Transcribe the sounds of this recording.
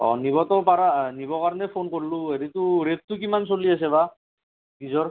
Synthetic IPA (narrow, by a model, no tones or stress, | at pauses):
ɔ̰niβɔtɔpaɾanibɔkaɹɔnɛpʰonkoɹlueɾituɹet̚tukimansoliasɛβa | ɡizɔɹ